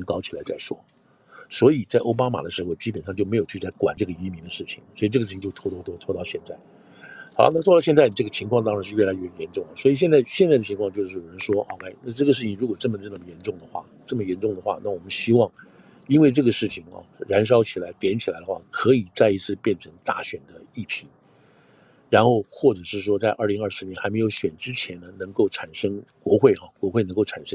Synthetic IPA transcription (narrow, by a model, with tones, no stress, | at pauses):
ə˧˥ŋkɑ˥ʊt͡ɕʰi˨˩la˧˥ɪt͡sa˥˩ɪʂwɔ̰˥ | swɔ˧˥i˨˩t͡sa˥˩ɪʔo˥ʊpa˥ma̰˨˩d̪ə˦ʂɻ̩˧˥xo˧ʊt͡ɕi˥pə˨˩nʂɑ˥˧ŋt͡ɕo˥˩ʊme˧˥ɪjʊt͡ɕʰy˥˩la˧˥ɪkwa̰˨˩nʈ͡ʂɤ˥˩ɡə˩i˧˥mi˧˥nd̪ə˧ʂɻ̩˥˩t͡ɕʰi̥˨˩ŋswɔ˧˥i˨ʈ͡ʂɤ˥˩ɡʂɻ̩ʰ˥˩i˧t͡ɕo˥˧ʊt̪ʰwɔ˥t̪ʰɔ˥˩t̪wɔ˥t̪ʰwɔ˥t̪ɑ˥˧ʊɕjɛ˥˧nt͡sa˥˩ɪ | ɑ˨˩na˥˩t̪ʰɔ˥˧ɑ˥˧ʊɕjt͡sɪni˩ʈ͡ʂɤ˥˩ɡə˩t͡ɕʰi˧˥ŋkʰwɑ˥˧ŋt̪̬ɑ˥ŋɻa˧˥ʂɻ̩˧ɥɛ˥˩la˧˥ɪɥɛ˥˩jɛ˧˥nʈ͡ʂʊ˥˩ŋə˩swɔ˧˥i˨˩ɕjɛ˥˧nt͡sa˥˩ɪɕjɛ˥˧t͡sa˥˩ə˩t͡ɕʰi˧˥ŋkʰwɑ˥˧ŋt͡ɕo˥˧ʊʂɻ̩˥˩jo˨˩ɻə˧˥nʂwɔ˥ɑ̰˥˩kʰa˥˩ɪna˥˧ʈ͡ʂɤ˥˩ɡə˩ʂɻ̩˥˩t͡ɕʰɻu˧˥kwɔ˨˩ʈ͡ʂɤ˥˩mə˩ʈ͡ʂə˥˩nə˥˩mə˩jɛ˧˥nʈ͡ʂʊ˥˩ŋd̪ə˩xwa̰˥˩ʈ͡ʂɤ˥˩mə˩jɛ˧˥nʈ͡ʂʊ˥˩ŋd̪ə˩xwa̰˥˧na˥˩wɔ˨˩mə˦nɕi˥wɑ˥˧ŋ | i˥nwe˥˧ɪʈ͡ʂɤ˥˩ɡə˩ʂɻ̩˥˩t͡ɕʰi˨˩ŋɐ̰˧ɻa˧˥nʂ̬ɑ˥ʊt͡ɕʰi˨˩la˧˥ɪt̪jɛ˧˥nt͡ɕʰi˨˩la˧˥ɪd̪ə˧xwa̰˥˩kʰɤ˧˥i˨˩t͡sa˥˩ɪi˧˥t͡sʰɹ̩˥˧pjɛ˥˩nʈ͡ʂʰɤ˧˥ŋt̪a̰˥˩ɕɥɛ˨˩nd̪ə˦i˥˩t̪ʰi˧˥ | ɻa˧˥nxo˥˧ʊxwɔ˥˩ʈ͡ʂɤ˨˩ʂɻ̩˥˩ʂ̬wɔ˥t͡sa˥˧ɪʔə˞˥˩li˧˥ŋɐ˞˥˩ʂɻ̩˥njɛ˧˥nxa˧˥ɪme˧˥ɪjo˧˥ʊɕɥɛ˨˩nʈ͡ʂɻ̩˥t͡ɕʰjɛ˧˥nd̪ə˧nɤ˧˥ŋko˥˩ʊʈ͡ʂʰa˨˩nʂɤ˥ŋkwɔ˧˥xwe˥˩ɪxɑ˩kwɔ˧˥xwe˥˩ɪnɤ˧˥ŋko˥˩ʈ͡ʂʰa˨˩nʂɤ˥ŋ